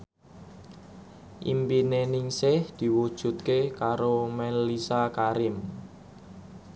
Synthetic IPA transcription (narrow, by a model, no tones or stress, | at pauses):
ʔḭmpinenɪŋsɪhd̪̥i̤wud̥ʒ̥ṳt̪̚kekaɾomɛnlisakaɾɪm